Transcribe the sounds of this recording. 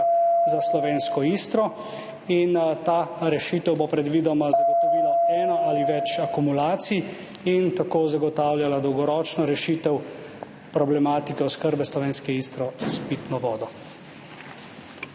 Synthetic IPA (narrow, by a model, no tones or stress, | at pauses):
zaslɔʋeːnskɔiːst̪ɾɔ | int̪aɾɛʃit̪ɛwbopɾɛd̪ʋid̪ɔmazaɡɔt̪ɔʋiːlɔɛːnɔaliʋɛt͡ʃakumulaːt̪sij | int̪akoːzaɡɔt̪aːwljalad̪ɔwɡɔɾɔːt͡ʃnɔɾɛʃiːt̪ɛw | pɾɔblɛmaːt̪ikɛɔskəɾbɛslɔʋeːnskɛiːst̪ɾɔspit̪nɔʋɔːd̪ɔ